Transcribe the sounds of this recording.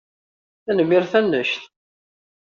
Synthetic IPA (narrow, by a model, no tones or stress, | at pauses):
θænəmiɾθænːəʃθ